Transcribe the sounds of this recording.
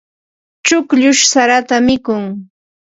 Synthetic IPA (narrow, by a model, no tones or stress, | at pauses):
t͡ʃʊkʎʊʃsaɾat̪amɪkʊŋ